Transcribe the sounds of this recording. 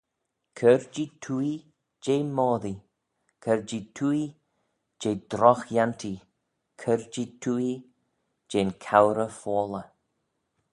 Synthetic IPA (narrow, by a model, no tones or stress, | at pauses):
kʰəɾd͡ʒitʰui | d͡ʒeːmɔːði | kʰəɹd͡ʒitʰuːi | d͡ʒeːd̪ɾɔxjant̪ʰi | kʰəɾd͡ʒitʰuːi | d͡ʒeːnkʰawɾəfɔːlə